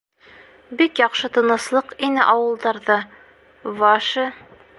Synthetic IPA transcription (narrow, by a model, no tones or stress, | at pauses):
bikjɒqʃɤt̪ɤ̆nɤ̆slˠɤqinɘʔɑwɤ̆lˠd̪ɑɾðɤ | vɑʃɤ